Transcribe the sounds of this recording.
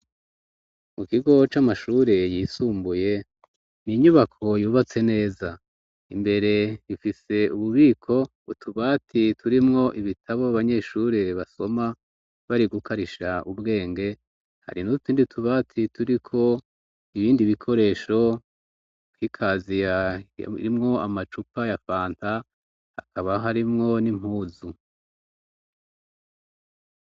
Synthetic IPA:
mukiɡo̞t͡ʃamaʃuːɾe̞jisuːmbuje̞ | niɲuβakʰo̞juːβat͡se̞ne̞ːza | imbe̞ɾe̞ifise̞uβuβiːkʰo̞ | ṵtʰuβaːtʰitʰuɾimŋo̞ʔiβitʰaβoaβaɲe̞ʃuɾeβaso̞ma | βaɾiɡukʰaɾiʃaubɡe̞ːŋɡe̞ | ha̰ɾinuutiːndiutʰuβaːtʰitʰuɾikʰo̞ | iβiːndiβikʰo̞ɾe̞ːʃo̞̥ | ɡikʰaːzija̰ḭɾimŋo̞amat͡ʃupajafaːntʰa | hakʰaβaɦaɾimŋo̞nim̥huːzu

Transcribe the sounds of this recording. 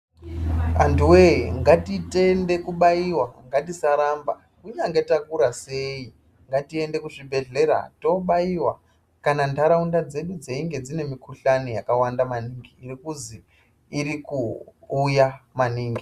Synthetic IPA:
antuweŋɡatite̞nde̞kuɓaiwaŋɡatisaɾamba̰ | kuɲaŋɡe̞takuɾase̞i | ŋɡatie̞nde̞kuʐibʱe̞ɮe̞ɾa̰to̞ɓaiwa̰ | kanandaɾaundad͡ze̞ɗud͡ze̞iŋɡe̞d͡zine̞mikuɬanojakawandamaniːŋɡiːrikuziː | rikuːjamaniːŋɡi

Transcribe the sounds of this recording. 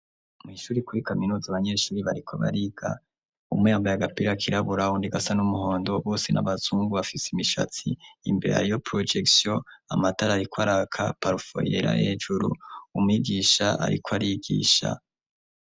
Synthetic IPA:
miʃuːɾikuɾikaminuːzaβaɲe̞ːʃuːɾiβaɾikʰo̰βa̰ɾiɡ̥a̰ | ṵmŋeaːmbajaɡapiɾakʰiɾaβuɾaundiɡasanumuho̞ːndo̞βo̞ːsena̰βazuːŋɡuβafisimiʃa̰t͡siːmbe̞̰ɾa̰jo̞pɾod͡ʒeksjoamataɾaɾikwaɾakʰapaɾufo̞̰jḛɾa̰ʔeːʒuɾṵumuiɡiːʃaʔa̰ɾḭkʰoaɾiɡḭːʃa̰

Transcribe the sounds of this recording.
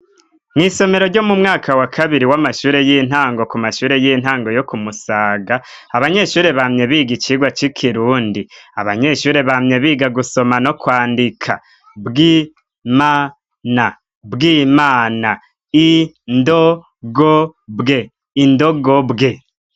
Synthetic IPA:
ŋiso̞me̞ɾoɾɟo̞mumŋaːkawakʰaβiɾiwamaʃuːɾe̞jin̥haːŋɡo̞kumaʃuːɾe̞jiːn̥haːŋɡo̞jo̞kumusaːɡa | aβaɲe̞ːʃuːɾe̞βamɲe̞βiːɡit͡ʃiːɡwat͡ʃikʰiɾuːndia̰βa̰ɲe̞ʃuːɾe̞βamɲe̞βiːɡaɡuso̞mano̞kwaːndikʰa̰ | bɡi | maː | na | bɡiːmaːna | i | ndo | ɡobɡe̞ | indoɡobɡe̞

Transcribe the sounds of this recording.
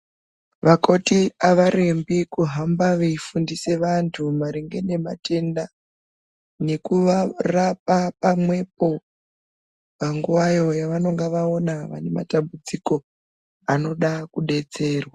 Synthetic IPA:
ʋako̞tiaʋaɾembikuɦambaʋeifundise̞ʋantʰumaɾiŋɡe̞ne̞ma̰te̞nda | ne̞kuʋarap̚apamwe̞p̚o̞ | paŋɡuʋajo̞jaʋano̞ŋɡaʋao̞naʋa̰ne̞ma̰tambud͡ziko̞ | ano̞ɗakuɗe̞t͡se̞ːrwa

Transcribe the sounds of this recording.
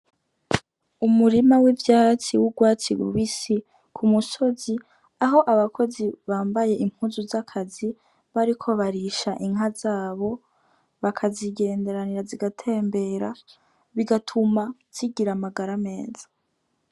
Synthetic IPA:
umuɾimawivjaːt͡siwuɡwaːt͡siɡṵβisi | kʰumuso̞zi | aɦo̞ʔaβakʰo̞ziβaːmbaje̞ʔim̥huːnzuzakʰazi | βaɾikʰo̞βaɾiʃaʔiŋ̥azaːβo̞ | βakʰaziɡe̞ːnde̞ɾaniɾaziɡatʰe̞ːmbe̞ːɾa | βiɡatʰumaz̥iɡiɾamaɡaɾame̞ːzḁ

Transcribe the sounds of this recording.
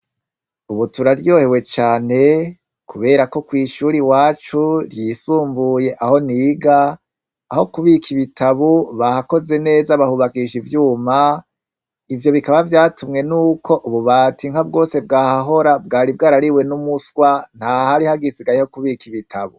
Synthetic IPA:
uβutuɾaɾjo̞ːhe̞we̞t͡ʃaːne̞ | kʰuβe̞ːɾako̞kwiːʃuɾiwaːt͡ʃuɾjiːsuːmbuje̞ʔaho̞niːɡaː | ho̞kuβikʰiβitʰaβuβahako̞ze̞ne̞ːzaβahuβakiʃivjuːma | ivjo̞βikaβavjaːtʰumŋe̞nuːkʰo̞ʔuβuβaːtʰiŋhabɡo̞ːse̞bɡaːhaɦo̞ɾabɡaːɾib̚ɡaːɾaɾiwe̞numusɡwan̥hahaɾihaɡisiɡajihokuβikiβitʰaβu

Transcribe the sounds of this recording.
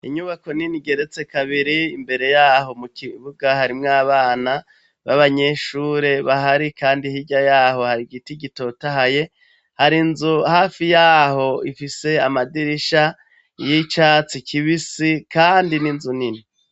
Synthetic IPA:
iɲuβako̞niniɡe̞ɾe̞t͡se̞kaβiɾiimbe̞ɾe̞jaːɦo̞mukiβuɡahaɾimŋaːβaːna | βaβaɲe̞ʃuːɾe̞βaɦaɾikaːndihiɟajaːho̞haɾiɡitiɡito̞taɦaje̞ | haɾinzuhaːfijaːho̞ifise̞amadiɾiʃa | jit͡ʃaːt͡sikʰiβisikaːndininzunini

